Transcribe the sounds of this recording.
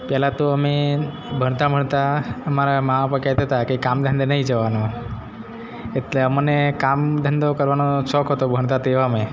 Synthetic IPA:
pjəlat̪oəme | bʱəɽ̃t̪am̤əɳt̪aəmaɾamaãpəkat̪ət̪akekamd̪ʱə̃nd̪nəɦĩd͡ʒəʋano | et̪leəmənekamd̪ʱənd̪okəɾʋanoʃɔkɦət̪obʱəɳ̃t̪at̪eʋamẽ

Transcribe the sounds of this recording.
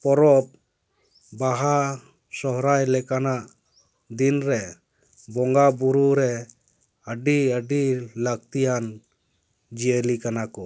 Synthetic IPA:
pɔɾɔp̚ | baɦa | sɔɦɾajlɛkanaʔ | d̪inɾɛ | bɔŋɡabuɾuɾɛ | əɖiəɖiləɡ̚t̪ijan | d͡ʒiəlikanakɔ

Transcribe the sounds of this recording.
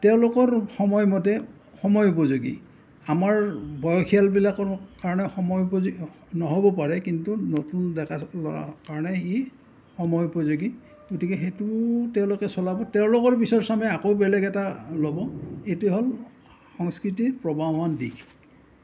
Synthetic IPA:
tɛʊ̃lokɔɹxɔmɔjmɔtɛ | xɔmɔjup̬ɔzuɡḭ | amaɹbʱɔjɔkʰialbilakɔkaɹɔnɛxɔmɔjupɔzɡ | nɔɦobɔpaɹɛkintunotundɛkʰalɔa̰kaɹɔnɛi | xɔmɔjupɔzuɡi | ɡotikɛxetutɛʊ̃lokɛsɔlabɔtɛʊ̃lokɔɹbisɔɹsamɛakowbɛlɛɡɛtalobɔetuɛɦol | xɔŋskɹit̬ipɹɔbʱamandḭkʰ

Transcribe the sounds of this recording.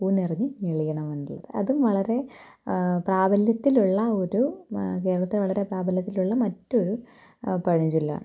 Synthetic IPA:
puːnerɐɲːɨʋeɭijɐɳɐʋunɖiɭːɐ̰ðɨʔɐ̰ðumʋɐɭɐɾe̞ | praːbʱɐljɐt̪ːiluɭːɐo̞ɾuke̞ːɾɐɭɐt̪ːilʋɐɭɐɾe̞praːbʱɐljɐt̪ːiluɭːɐmɐtːo̞ɾu | pɐɻiɲd͡ʑulːa̰ːɳɨ

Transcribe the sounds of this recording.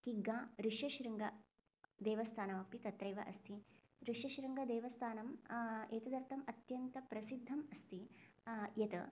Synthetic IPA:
kiɡãːɾiʂjɐʃɾɐŋɡɐ | d̪eːʋɐst̪ʰaːnɐmɐk̚p̪it̪ɐt̪ɾɐjʋɐ̰ʔɐst̪ʰi | ɾiʂjɐʃɾɐŋɡɐd̪eːʋɐst̪ʰaːnɐmeːt̪ɐd̪ɐɾt̪ʰɐmɐt̪jɐnt̪ɐpɾɐsid̪ʱːɐmɐst̪i | jɐt̪ɐ̰

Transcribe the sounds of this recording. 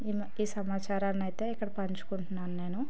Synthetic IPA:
im | iːsɐmaːt͡ʃaːɾaːnɐjt̪e̞ːikːɐɽɐpɐɲt͡ʃu̥kuɳʈunːaːnune̞ːnu

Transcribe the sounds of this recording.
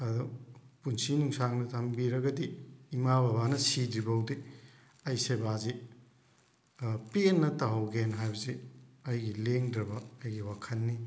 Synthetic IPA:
ɐdupunsinuŋsaŋnɐtʰɐmbiɾɐɡɐdiːmababanɐsidɾibwdi | ɐjsebazi | penːɐtaɦɐwɡenɦajbɐziɐjɡileŋdɾɐbɐːjɡiwakʰɐnːi

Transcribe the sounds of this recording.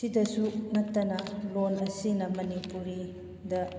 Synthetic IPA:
sidɐsunɐtːɐnɐlonɐsinɐmɐnipuɾi | dɐ

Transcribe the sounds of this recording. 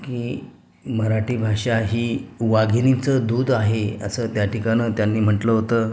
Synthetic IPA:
kiː | məɾaʈiːbʱaɕaɦiːʋaɡʱnit͡səd̪uːd̪aɦeə̰sət̪jaʈʰikanət̪janːiːm̤əʈləɦot̪əː

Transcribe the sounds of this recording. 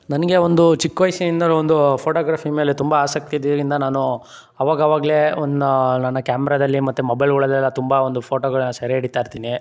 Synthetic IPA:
nɐnɐɡe̞ond̪ut͡ʃikːʋɐjsɐind̪ɐlond̪upʰoːʈoːɡɾaːpʰime̞ːlet̪umbɐaːsɐk̚t̪ijd̪ɐd̪ɐɾind̪ɐnaːnu | ɐʋaːɡɐɐʋaːɡɐle̞ond̪nɐnːɐkaːmɛɾaːd̪ɐlːimɐt̪ːumɐbɐjlɡuɭɐd̪ɛlːɐt̪umbɐond̪upʰoːʈoɡɐɭɛnːɐsɐɾeːɽit̪aːjiɾt̪iːni

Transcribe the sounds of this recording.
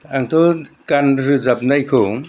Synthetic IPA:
aŋtʰɔkanɾɯzap̚najkʰɯ

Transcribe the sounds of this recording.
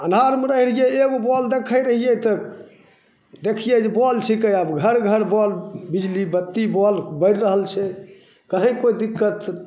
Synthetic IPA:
ənʱaɾmeɾəɦilijeeɡobɔld̪ekʰəjɾəɦijɛt̪ə | d̪ekʰijed͡ʒebɔlt͡ʃʰikəjəbɡʱəɾɡʱəɾbɔlbid͡ʒlibət̪ːibɔlbəɪɾɾəɦəlt͡ʃʰɛ | kəɦə̃kojd̪ikːət̪

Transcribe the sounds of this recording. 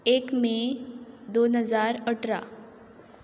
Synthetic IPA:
ekmẽ | d̪onɦəzaɾəʈɾa̰

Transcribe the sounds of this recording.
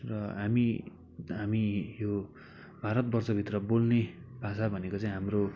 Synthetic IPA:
rʌɦami | ɦamijo | bʱaɾʌt̪̚bʌrt͡sʌbʱit̪rʌbolnebʱasabʱʌnekot͡saĩɦamro

